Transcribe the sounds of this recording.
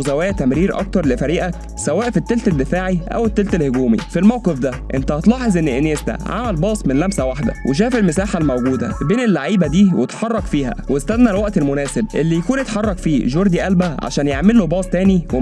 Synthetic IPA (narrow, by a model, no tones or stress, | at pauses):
zæwæːt̪æmɾiːɾʔɑ̰k̚t̪ɑɾˤlefæɾiːʔæ | sæwæːʔfet̪ːelt̪æd̪ːefaːʕiʔæ̰wet̪ːelt̪ælhoɡuːmḭfilmæwqefd̪æ | ʔent̪æɑt̪lɑːħezˤʔenːʔenest̪æ̰ʕa̰mælbɑːsˤmenlæmsæwaħd̪æ̰wʔeʃ̬æːfelmesaːħalmæwɡuːd̪æ̰beːnelːaʕiːbæd̪iːwet̪ħɑrˤːɑkfiːɦæ̰west̪æðnælwæʔt̪elmʊnæːseb̚ʔelːijækuːnjet̪ħɑrˤːɑkfiːʒoɾˤd̪iʔælbæʕa̰ʃæːnjeʕmelːobɑːsˤt̪æːniwe